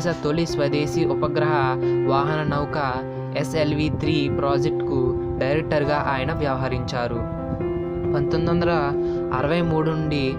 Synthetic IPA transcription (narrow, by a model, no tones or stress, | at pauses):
sɐt̪olisʋɐd̪eːsiupɐɡɾɐɦɐʋaːɦɐnɐnɐwkɐ | eselʋit̪ʰɾiːpɾaːd͡ʒek̚ʈku | ɖɐjɾek̚ʈɐɾuɡaːʔaːjɐnɐʋjɐʋɐɦɐɾiɲt͡ʃaːɾu | ʋɐnt̪ond̪ɐnd̪ɐɾɐ | ɐɾɐʋɐjmuːɽunuɳɖi